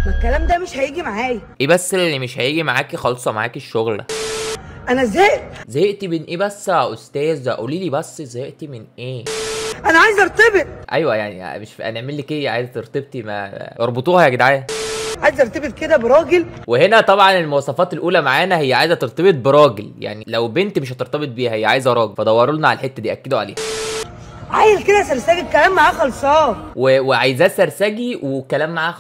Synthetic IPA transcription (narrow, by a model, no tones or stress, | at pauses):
elkælæːmd̪æmeʃhæjiːɡimaʕaːjæʔeːbæsːeelːimeʃhæjiːɡimaʕaːkixɑːlsˤɑma̰ʕaːkeʃːoɣl̰ | ʔænæzæːjezæjeʔt̪imenʔeːbæsːʔost̪æːzhæ̰ʔṵːlːiliːbæsˤːzæjeʔt̪imenʔeːʔænæʕaːjezʔɑɾˤt̪ˤebet̪̚ˤʔæjwæja̰ʕnḭæ̰meʃʔæ̰næʕmelːikeʕaːjezæt̪eɾt̪ˤeb̚t̪imæ̰ʔeɾˤbot̪ˤuːhæjaɡed̪ʕaːjæʕajezʔɑɾˤt̪ˤɑbet̪̚ked̪æbeɾˤɑːɡelwehenæt̪ˤɑbʕɑnelmowɑsˤɑfɑːt̪elʔuːlæmaʕaːnæhejːæʕaːjzæt̪eɾt̪ˤebet̪̚beɾˤɑːɡelja̰ʕnilæwbent̪meʃæt̪eɾt̪ɑbet̪̚ˤbiːhæhejːæʕaːjezæɾˤɑːɡefæd̪ˤɑwːɑɾˤolnɑʕalælħet̪ːæd̪iːʔæ̰kːed̪oʕalḛːhæ | ʕa̰ːjezked̪æsæɾsæːɡikːælæːmːaʕaːxɑlsˤɑːweweʕajezæːsæɾsæːɡiwekːælæːmːaʕaːx